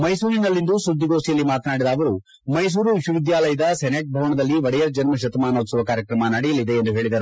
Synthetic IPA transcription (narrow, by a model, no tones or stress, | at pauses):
mɐjsuːɾinɐlːind̪usud̪ʱːiɡoːsijɐlːimaːt̪naːɽid̪ɐːʋɐɾu | mɐjs̬uːɾuʋiʃuʋid̪jaːlɐjɐd̪ɐsɛneʈ̚bʱɐʋɐɳɐd̪ɐlːiʋɐɽɛjɐɾd͡ʒɐnmɐʃ̬ɐt̪ɐmaːnoːt̪suʋɐkaːɾjɐkɾɐmɐnaɽijɐlid̪e̞ːnd̪uɦe̞ːɭid̪ɐɾu